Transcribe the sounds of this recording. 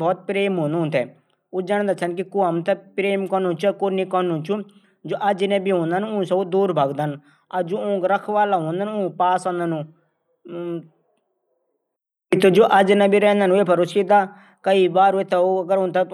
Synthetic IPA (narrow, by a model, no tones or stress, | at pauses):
bɔːt̪̚pɾeːmɦõːnd̪nt̪ʰɛː | oːd͡ʒaːɽ̃d̪aːt͡ʃʰənkɪkuːəmt̪ɛpɾeːmkɔːnũːt͡ʃːkoːniːkɔːnũːt͡ʃũ | d͡ʒoːʔɐd͡ʒnẽːbiɦõːnd̪aːnũsaud̪uːɾbʱaːɡd̪an | ɐd͡ʒoːʊ̃ːkɾəkʰʋaːlaːɦõːnd̪añːʊ̃ːpaːsãːnd̪anũː | ɪt̪ʰːed͡ʒoːʔɐd͡ʒnɛ̃ːbiːɾɛ̃ːnd̪aːnũeːpʰəɾʊsid̪aː | kəiːbaːɾːɪt̪ʰeoːɐɡəɾʊ̃ːnt̪a